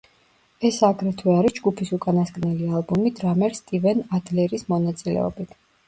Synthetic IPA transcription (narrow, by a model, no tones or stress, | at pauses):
ɛsaɡɾɛt̪ʰwɛaɾisd͡ʒɡupʰisukʼanaskʼnɛlialˠbumid̪ɾamɛɾst̪ʼivɛnad̪lɛɾismɔnat̪sʼilɛ̰ɔ̰bit̪ʰ